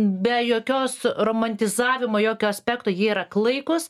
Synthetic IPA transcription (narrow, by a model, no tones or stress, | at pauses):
bʲɛjoːkʲoːsroːmɐnʲt̪ʲɪzɑːʋʲɪmoːjoːkʲoːɐsʲpʲæːkt̪oːjiɛiɾɐklˠɐɪkʊs